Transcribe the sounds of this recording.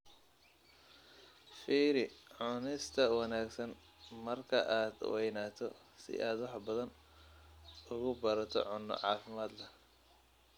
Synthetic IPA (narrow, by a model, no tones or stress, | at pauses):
fiːɾɪʕʊnɪst̪ʰɐwɑnaːɡsɐn | mɐrkʰɐʔaːd̪wɛjnaːt̪ʰɔ | sɪ̰ʔaːd̪wɑħbɐðɐn | ʊɣʊbɐɾɐt̪ʰɔ̰ʕʊnːɔ̰ʕɑːfɪmaːd̪lɐ